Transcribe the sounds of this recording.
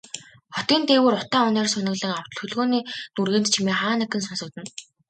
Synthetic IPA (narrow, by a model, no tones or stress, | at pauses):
χɔt̪iːnt̪eːwɘːrʊt̪aːʊnɔːrsʊnə̆ɣɮə̆ŋaw̥t̪̆xɵɮɣoːniːnurɣeːnt̪t͡ɕʰimeːχaːnə̆kɘ̆nsɔnsɞ̆k̚t̪ɘ̆n